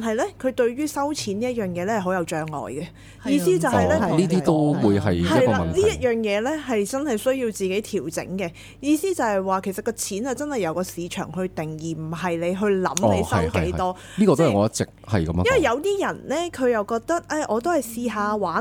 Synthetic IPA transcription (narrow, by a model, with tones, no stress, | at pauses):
nɦɐ˨jlɛː˥kʰɵ˨˧t̪ɵ˧ɥɥyː˥sɐ˥wt͡sʰiː˨˥niː˥jœː˨˩ŋjɛː˨˧lɛː˥hɐ˨˩ɦo˨˥wjɐ˨˧wt͡ʃœː˧ŋlɔ̰ː˨jɡɛ˧ | jiː˧siː˥t͡sɐ˨whɐ˨jlɛː˥˨niː˥t̪iː˥t̪o˥wwuː˨˧jɦɐ˨jhɐɐ˥˨jlkɔaː˧˨ɐ˨nniː˦˥jɐ˥t̚jœː˨˩ŋjɛː˨˧lɛː˥ɦɐ˨jt͡sɐ˥nhɐ˨˩jsɵ˥ɥjiː˧wt͡siː˨ke˨˥jt̪ʰiː˨˩wt͡sɪ̰˨˥ŋkɛ˧ | jiː˧siː˥t͡sɐ˨˧whɐ˨jwaː˨kʰe˨˩sɐ˨t̚kɔː˧t͡sʰiː˨˥nhɐ˨jt͡sɐ˥nhɐ˨˩jɐ˨˧wkɔː˧siː˨˧t͡ʃʰœ̰ː˨˩ŋɦɵ˧ɥt̪ɪ˨˩ŋjiː˨˩m̩˨˩ɦɐ˨jle˨˧jɦɵ˧ɥlɐ̰˨˥mle˧˨˧jsɐ˥mkḛ˨˦j̰t̪ɔː˥ | liː˥kɔ˧to˥ɐ˨ŋɔː˨˧jɐ˥tt͡sɪ˨k̚hɐ̰˨jkɐ˨˦m̰˨jɐ˥wɐ˨˩jɐ˨˧wt̪iː˥jɐ˨˩nlɛː˥kʰɵ˨˧ɥjɐ˨wkɔː˧k̚t̪ɐ˥k̚ʔɛ˨˧ʔɔː˨˧t̪̬o˥hɐ˨jsiː˧ɦaː˨˧waː˨˥